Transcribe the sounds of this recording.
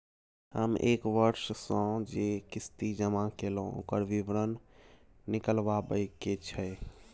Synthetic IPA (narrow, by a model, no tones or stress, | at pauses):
hə̰mekʋəɾssə̃d͡ʒekist̪id͡ʒəmakeloo̰kəɾʋiʋɾənː | ikəlbabəjket͡ʃʰəj